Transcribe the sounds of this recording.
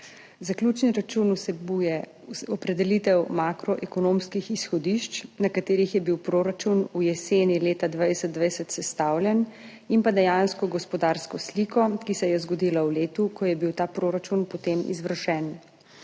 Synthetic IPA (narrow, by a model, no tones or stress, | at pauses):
zaklʲuːt͡ʃniɾat͡ʃunusɛbujɛ | ɔpɾɛd̪ɛlit̪ɛwmakɾɔʔɛkɔnomskixisxɔd̪iʃt͡ʃnakat̪eːɾixjɛbiwpɾoːɾat͡ʃunujɛseːnileːt̪ad̪ʋajsɛt̪d̪ʋajsɛt̪sɛst̪awlʲjɛn | impad̪ɛjanskɔɡɔspɔd̪aːɾskɔsliːkʰɔkisɛjɛzɡɔd̪iːlawleːt̪ukɔjɛbiwt̪aːpɾoːɾat͡ʃunpɔt̪emʔḭzʋəɾʃɛn